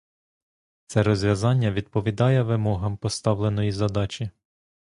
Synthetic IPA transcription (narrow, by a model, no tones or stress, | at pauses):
t̪sɛɾɔzʲʋʲɐzɑnʲːɐʋʲid̪̚pɔʋʲid̪ɑjɛʋɪmɔɦɐmpɔst̪ɑwle̞nɔjizɐd̪ɑt͡ʃʲi